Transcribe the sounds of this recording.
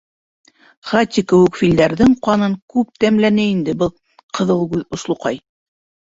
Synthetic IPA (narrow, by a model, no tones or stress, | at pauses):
χat̪ʲːikɘ̆wɘ̆kfʲild̪æɾðɘŋqɑnɤŋkʉp̚t̪æmlænɘind̪ɘbɤlˠ | qʰɤ̆ðɤlˠɡʉðŏʃlˠŏqɑj